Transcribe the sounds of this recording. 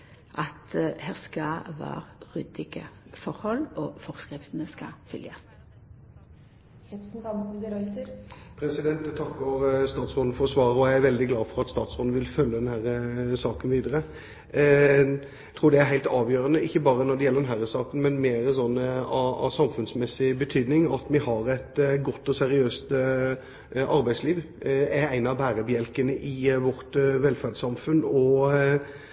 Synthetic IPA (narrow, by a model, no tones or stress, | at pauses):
ʔɑt̪hæːʁskɑʋæ̰ːɾʁʉd̪ɪɡəfɔɾhɔlofɔʁskʁɪft̪ənəskɑ̰fʏljə̰s | ɛsnɑmɪd̪əɾɑt̪əɾpʰɾɛsɪd̪ɛnt̪t̪ʰɑkːʊɾst̪ɑːt̪sʁɔːd̪nəfɔɾɔsʋɑːɾəɔjæɪæɾʋɛld̪ɪɡlɑːfɔɾɑt̪st̪ɑːt̪sʁoːd̪nʋɪlfœlːəd̪ɛnhæɾəsɑːkənʋiːd̪əɾə | t̪ʰɾuːɖɛæɾɦæɪlt̪ɑːʋjøːɾənəɪçːəbɑːɾənɔd̪ɛjɛlːəɾd̪ɛnɦæːɾəsɑːkən̩mɛnmeːɾəsɔnːɑɑ̰sɑmfʉnsmɛsːɪbət̪ʰyːd̪nɪŋɑt̪mɪhɑɾɛt̪ɡɔt̪ːɔsɛɾɪøːst̪ | ʔɑɾbæɪsliːʋ | æɾæɪnɑbæːɾəbjɛlkənəʔɪʋɔɾt̪ʋɛlfæʁdsɑmfʉnɔ